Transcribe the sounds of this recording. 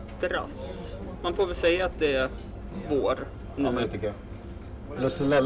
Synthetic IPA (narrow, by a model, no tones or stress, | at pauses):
d̪ɾa̰smanfoːɾvɛlsɛjːaːt̪̚d̪ɛæ | voːɾ | nmɛt̪ʰʏkːəja | lɵsəlɛ